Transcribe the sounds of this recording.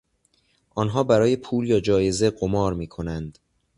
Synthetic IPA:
ʔɒːnɦɒːbæɾɒːje̞pʰuːljɒːd͡ʒɒːje̞ze̞ɢomɒːɾmiːkʰo̞nænd̪̥

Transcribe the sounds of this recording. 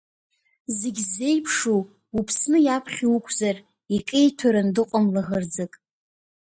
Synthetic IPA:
zeɡʲzːe̞jpʰʂu | upʰsnɨjapʰχʲiukʷʼʰzar | ikʼejtʰaɾɨndɨqʷʼamlaʁərd͡zɨkʼ

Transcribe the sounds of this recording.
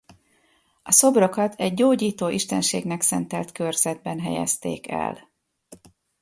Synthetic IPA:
ɒso̞bro̞kɒt̪ʰɛɟːoːɟiːt̪oːʔiʃt̪ɛnʃeːɡnɛksɛnt̪ɛlt̪kørz̥ɛd̪̚bɛnɦɛjɛ̰st̪ḛːkɛ̰l

